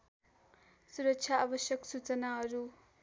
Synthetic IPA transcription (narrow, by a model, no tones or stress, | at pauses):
suɾʌkt͡sʰjaʔabʌsjʌksut͡sʌnaɦʌɾu